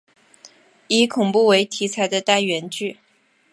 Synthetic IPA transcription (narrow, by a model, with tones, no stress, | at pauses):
i˧˥kʰʊ˨˩ŋpu˥˩we˧˥ɪt̪ʰi˧˥t͡sʰa˧˥ɪd̪ə˧t̪a˥˩nɥɛ˧˥nt͡ɕy˥˩